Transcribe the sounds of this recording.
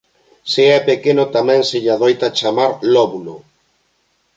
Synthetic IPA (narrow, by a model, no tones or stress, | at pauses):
seɛpekenʊt̪amɛ̃ŋseʎaðojt̪at͡ʃamaɾlɔβno